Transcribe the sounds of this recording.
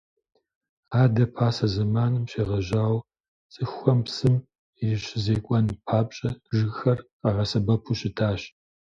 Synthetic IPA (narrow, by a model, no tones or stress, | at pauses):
aːdɐpʰaːsɐzɐmaːnɨmɕeːʁɐʒaːw | t͡sʼɨxʷɔmpsɨm | jɪɕɪzeːkʷʼɔnpʰaːpʼɕʼɐʒɨɣxɐrqɐʁɐsɐbɐpʰuɕɪtʰaːɕ